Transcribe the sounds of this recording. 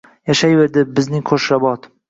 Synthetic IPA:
jaʃajveɾd̪ɪbɪznɪŋkʰoʃɾabɒt̪

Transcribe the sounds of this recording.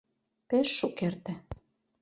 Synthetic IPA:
pĕʃːukert̪ɘ̆

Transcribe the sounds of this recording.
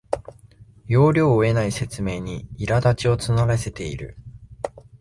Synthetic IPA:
jo̞ːɾʲo̞ːoe̞naise̞t͡sɨme̞ːɲ̟iiɾad̪at͡ɕio̞t͡sɨnaɾase̞t̪e̞ḭɾɯ̟̰

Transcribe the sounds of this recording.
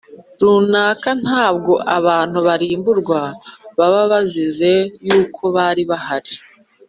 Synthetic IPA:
ɾuːnaːkan̥haːbɡo̞ʔaβaːn̥uβaɾiːmbuɾɡwaβaβaβazize̞juːkʰo̞βaːɾiβahaɾi

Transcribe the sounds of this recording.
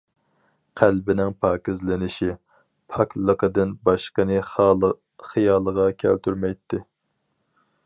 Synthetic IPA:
qʰælbɪnɪŋpʰɑːkʲɪzlɪnɪʃi | pʰɑklˠəqʰəd̪ɪnbɑʃqənɨ | χijɑːlˠəʁɑkʲʰæ̰lt̪ʰyɾmɛjt̪ʰːɪ

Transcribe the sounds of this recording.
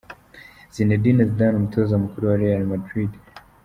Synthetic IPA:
zinɛdinɛzdanum̩tʰɔzamukuɾiwaɾɛalmadɾid

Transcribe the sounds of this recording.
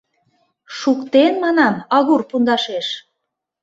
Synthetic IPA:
ʃukt̪enmɑnɑmɑɣurpund̪ɑʃeʃ

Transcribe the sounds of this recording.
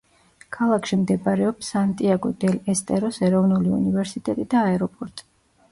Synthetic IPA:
kʰalˠakʰʃimd̪ɛbaɾɛɔpsant̪ʼiaɡɔd̪ɛlɛst̪ʼɛɾɔsɛɾɔvnuliṵnivɛɾsit̪ʼɛt̪ʼid̪aːɛɾɔpʼɔɾt̪ʼi̥

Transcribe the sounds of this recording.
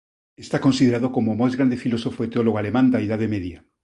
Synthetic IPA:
est̪akonsiðeɾaðokomomajzɣɾand̪efilosofoet̪eoloɣoalemãnd̪aiðaðemeðja

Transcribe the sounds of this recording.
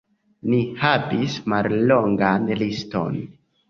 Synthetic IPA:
nihavismalːo̞ŋɡanlisto̞̰n

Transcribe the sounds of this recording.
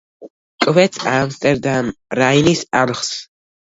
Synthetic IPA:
kʼvɛt̪sʰamst̪ʼɛɾd̪amɾajnisalχs

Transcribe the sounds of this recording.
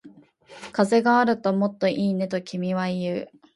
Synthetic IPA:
kaze̞ɡaaɾɯ̟t̪o̞mo̞t̪ːo̞ʔiːne̞t̪o̞kʲimʲiβaijɯ̟

